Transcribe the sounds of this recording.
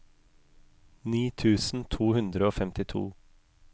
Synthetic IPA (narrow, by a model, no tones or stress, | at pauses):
niːt̪ʰʉːsn̩t̪ʰuːhʉnd̪ɾəoːfɛmt̪ɪt̪ʰṵː